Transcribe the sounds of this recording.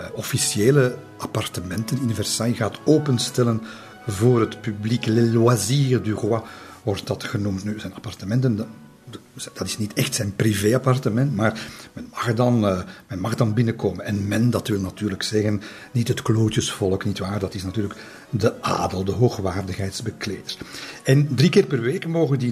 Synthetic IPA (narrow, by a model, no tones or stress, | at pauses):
ɔfisieːlə | apɑrtəmɛntənynivɛrsaːiɣaːtoːpənstɛlən | voːrɦətpybliklɛlaziədyɣwaʋɔrt̚dɑtxənumtnyz̥ɛnɑpɑrtəmɛntən | d̥ɑtɪ̥snitɛxtsɛjnpriveːɑpɑrtəmɛntmaːrmɛnmɑxdɑnmɛnmɑxdɑnbɪnəkoːmənɛnmɛndɑtʋɪlˠnɑtyːrləksɛɣən | nitɦətkloːtəsfɔlˠəknitʋaːrdɑtɪsnɑtyːrlək | dəʔa̰ːdəlˠdəɦoːxʋaːrdəxɦɛjtzbəkleːdərɛndrikɪːrpərʋeːkmoːɣədi